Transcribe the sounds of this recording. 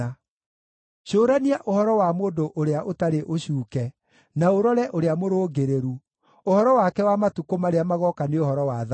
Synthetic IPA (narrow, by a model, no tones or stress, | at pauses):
a | ɕoːɾaniaʔohɔɾɔwamoːndoʔoɾeaʔotaɾeʔoɕuːkɛ | naoɾɔɾɛʔoɾeamoɾoːɡeɾeɾu | ohɔɾɔwakɛwamatukomaɾeamaɣɔkaneohɔɾɔwað